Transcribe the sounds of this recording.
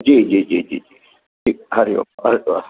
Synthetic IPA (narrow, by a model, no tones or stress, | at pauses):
d͡ʒid͡ʒiːd͡ʒid͡ʒiːd͡ʒiː | ʈʰik̚hɐɾijo̰a